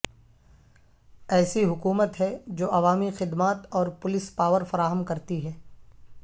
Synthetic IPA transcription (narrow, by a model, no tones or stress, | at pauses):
ɛːsiɦʊkuːmət̪ɦɛd͡ʒoːʔɐʋaːmixɪd̪maːt̪ɔːɾpʊlɪspaːʋəɾfɐɾaːɦəmkɐɾt̪iɦɛː